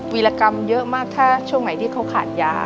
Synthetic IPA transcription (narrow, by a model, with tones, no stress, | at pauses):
wiː˧laː˧ka˧mjɤ˦˥ʔmaː˥˩k̚t̪ʰaː˥˩t͡ɕʰu˥˩əŋna˩˦jt̪ʰiː˥˩kʰa˦˥wkʰa̰ː˨˩t̪̚ja̰ː˦˥